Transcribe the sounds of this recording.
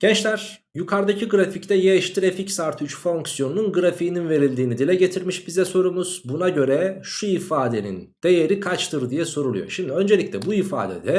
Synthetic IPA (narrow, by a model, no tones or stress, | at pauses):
ɟ̥ɛnt͡ʃlʲæɾ̥ | jukʰaɾd̪acʰiɡɯɾafict̪ʰɛjeʃt̪ʰiɾeficsaɾt̪ʰyt͡ʃfo̞ŋksijo̞nununɡɯɾafiːninve̞ɾilʲd̪iːnid̪ilʲɛɟe̞t̪ʰiɾmiʃbizɛso̞ɾumuz̥bunaɟø̞ɾɛʃuifaːd̪e̞nḭnd̪̥e̞je̞ɾikʰat͡ʃt̪ʰɯɾd̪ijɛso̞ɾulˠujo̰ʃimd̪iø̞nd͡ʒelʲicʲlʲɛbuifa̰ːd̪ɛ̰d̪ɛ